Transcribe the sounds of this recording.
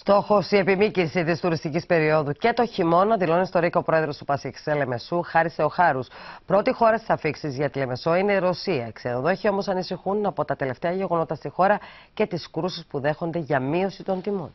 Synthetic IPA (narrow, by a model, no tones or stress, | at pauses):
st̪o̞xo̞sie̞pimicisit̪ist̪uɾist̪icispe̞ɾio̞ðuce̞t̪o̞çimo̞nɐðilo̞nist̪o̞ɾikɐopɾo̞eðɾo̞st̪upɐsiksele̞me̞suxɐɾise̞o̞xɐɾuspɾo̞t̪ixo̞ɾɐst̪i̥sɐfiksizʝɐt̪ile̞me̞so̞ine̞iɾo̞siɐksenoðeçio̞mo̞sɐnisixunɐpo̞t̪ɐt̪e̞le̞ft̪eɐʝe̞ɣo̞no̞t̪ɐst̪ixo̞ɾɐce̞t̪iskɾusispuðe̞xo̞nd̪e̞ʝɐmio̞sit̪o̞nt̪imo̞n